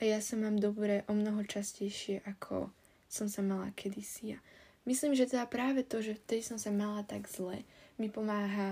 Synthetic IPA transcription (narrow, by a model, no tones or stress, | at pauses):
ʔajasamaːmd̪ɔbɾɛʔɔmnɔɦɔt͡ʃascɛjʃɪɛʔakʰɔ̰ | sɔmsamala̰kʰɛd̪isijamisliːmʒɛt̪ɛd̪apɾaːʋɛt̪ɔʒɛft̪ɛd̪isɔmsamalat̪aɡz̥lɛmipɔmaːɦa